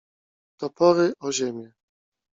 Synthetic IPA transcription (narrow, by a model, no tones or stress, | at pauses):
t̪ɔpɔɾɘʔɔʑemʲjɛ